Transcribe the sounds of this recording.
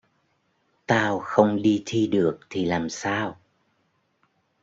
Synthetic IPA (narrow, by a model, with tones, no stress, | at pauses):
t̪aː˧wxə˧wŋ͡mɗi˧t̪ʰi˧ɗɨ˨˩ək̚t̪ʰi˨˩laː˨˩msaː˧w